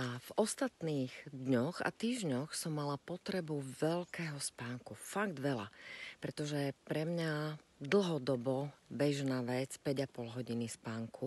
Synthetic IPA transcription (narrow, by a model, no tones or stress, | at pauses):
avɔst̪at̪niːɣd̪ɲɔɣa̰t̪iːʒɲɔxsɔmːalapɔt̪ɾɛbuʋɛʎkɛːɦɔspaːŋkufaɡd̪ʋɛla̰pɾɛt̪ɔʒɛpɾɛmɲad̪l̩ˠɦɔd̪ɔbɔbɛʒnaːʋɛt͡spɛɟapɔlɦɔɟinispaːŋku